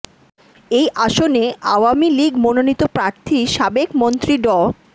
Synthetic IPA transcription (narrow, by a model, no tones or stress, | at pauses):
ejʔaʃoneʔa̰wamiliɡmononit̪opɾaɾt̪ʰiʃabekmont̪ɾiɖɔ